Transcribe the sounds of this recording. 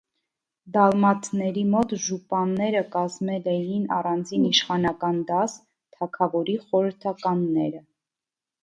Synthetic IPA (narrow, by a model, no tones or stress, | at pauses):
d̪ɑlmɑt̪nɛɾimɔt̪ʒupɑnːɛɾəkɑzmɛlɛjinɑ̰rɑnd͡ziniʃχɑnɑkɑnd̪ɑs | t̪ʰɑkʰɑvɔɾiχɔɾəɾt̪ʰɑkɑnːɛɾə